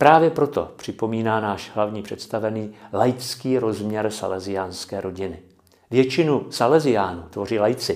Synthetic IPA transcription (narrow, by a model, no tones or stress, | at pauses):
pɾaːvjɛpɾo̞t̪o̞̰pr̝̥ɪpo̞miːnaːnaːʃɦlavɲiːpr̝̥ɛt̪st̪avɛniːlajt͡skiːɾo̞zmɲɛɾsa̰lɛzɪjaːnskɛːɾʔo̞ɟɪnɪ | vjɛt͡ʃɪnusalɛzɪjaːnuːt̪vo̞riːlajt͡sɪ